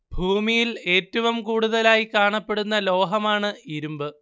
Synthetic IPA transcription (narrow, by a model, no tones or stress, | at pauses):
bʱuːmijile̞ːtːɐʋɐmkuːɽuðɐlaːjikaːɳɐpːe̞ɽunːɐlo̞ːɦɐmaːɳɨiɾumbɨ